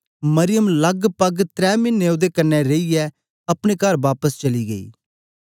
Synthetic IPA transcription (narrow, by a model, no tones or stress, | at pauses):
mɐɾɪjəmlɐɡpɐɡt̪ɾɛːmɪnːeod̪ekɐnːɛɾeijɛ | ɐpɽ̃ekɐɾʋaːpəst͡ʃɐliːɡɐḭː